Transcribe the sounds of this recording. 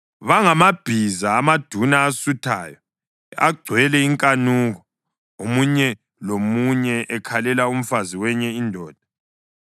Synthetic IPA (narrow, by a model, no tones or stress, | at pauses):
βaŋamab̥ʱizaːmad̥ʱunaːsutʰa̰ːjɔ | a̰ɡ͡ǀʱwɛlɛiŋkʼanuːɣɔ | omuɲɛ | lomuɲɛʔɛkʰalɛlaum̩faziwɛɲɛindʱɔːd̥ʱa